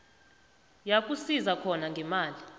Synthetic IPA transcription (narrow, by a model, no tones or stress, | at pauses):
jakʼusizakʰɔnaŋɡʱɛmaːli